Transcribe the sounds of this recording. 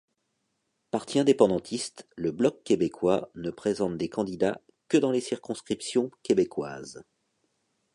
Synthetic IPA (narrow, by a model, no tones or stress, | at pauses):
paʁt̪iɛ̃d̪epɑ̃d̪ɑ̃t̪ʰist̪ləblɔkːebekwanəpχezɑ̃t̪̚d̪ekɑ̃d̪id̪a | kəd̪ɑ̃lesiʁkɔ̃skχipsjɔ̃kʲebekwa̰ːz